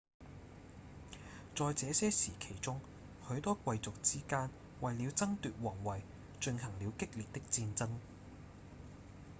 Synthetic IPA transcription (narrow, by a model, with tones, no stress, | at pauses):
t͡sɔː˨jt͡sɛː˨˧sɛː˥siː˨˩kʰe˨˩jt͡sʊ˥ŋ | hɵ˨˥ɥt̪ɔː˥kʷɐ˧jt͡sʊ˨k̚t͡siː˥kaː˥n | wɐ˨jli˨˧wt͡sɐ˥ŋt̪yː˨t̚wɔː˨˩ŋwɐ˨j | t͡ʃɵ˧nhɐ˨˩ŋliː˨˧wkɪ˥k̚liː˨t̚t̪ɪ˥k̚t͡siː˧nt͡sɐ˥ŋ